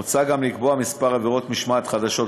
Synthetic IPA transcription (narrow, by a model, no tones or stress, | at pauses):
t͡saɡamlikboamispaʁaveʁo̞t̪miʃmat̪χad̪aʃo̞t